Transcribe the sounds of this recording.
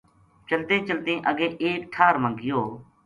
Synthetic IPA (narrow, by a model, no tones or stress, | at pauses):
t͡ʃəlt̪ẽːt͡ʃəlt̪ẽːʔəɡẽːʔeːkʈʰaːɾmə̃ːɡɪjoː